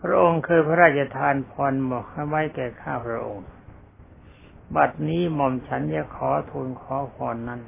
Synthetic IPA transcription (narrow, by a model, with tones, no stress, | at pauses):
pʰɾa˦˥ʔo˧ŋkʰɯː˧pʰa˦˥ɾaː˥˩t̪̚t͡ɕʰa˧t̪ʰaː˧npʰɔː˧nmɔ˨˩ha˧˩jwa˦˥˨jkɛː˨˩kʰaː˥˩pʰɾa˦˥ʔo˧ŋ | ba˨˩t̪̚niː˦˥˩mɔ˨˧mt͡ɕʰa˦˥nja˧˩kʰɔː˩˦t̪ʰuː˧nkʰɔː˨˦pʰɔː˧nːa˦˥˨n